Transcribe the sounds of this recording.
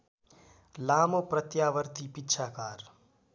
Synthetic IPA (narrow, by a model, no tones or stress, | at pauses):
laːmopɾət̪jaːʋəɾt̪ipɪtːʃʰaːkaːɾ